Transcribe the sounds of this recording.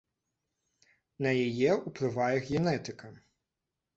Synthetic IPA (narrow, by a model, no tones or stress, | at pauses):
nɐjajɛuplˠɨvajɛɣɣʲɛnɛt̪ɨkɐ